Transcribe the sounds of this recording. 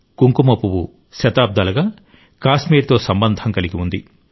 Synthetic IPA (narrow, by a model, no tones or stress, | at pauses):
ɡ̥uŋkumɐpːuwu | ʃɐt̪aːb̚d̪ɐlɐɡaː | kaːsmiːɾt̪o̞ːsɐmbɐnd̪ʱɐŋkɐliɡiund̪i